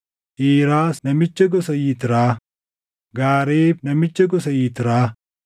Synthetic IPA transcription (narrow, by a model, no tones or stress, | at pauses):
ʔiːɾaːsnɐmɪt͡ʃːɐɡɔsɐjiːt̪ɪɾaː | ɡaːɾeːbnɐmɪt͡ʃːɐɡɔsɐjiːt̪ɪɾaː